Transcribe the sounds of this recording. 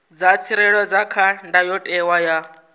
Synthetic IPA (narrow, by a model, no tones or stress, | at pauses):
d͡zat͡sʰiɾɛɺɔd͡zakʰandajɔtʼɛwaja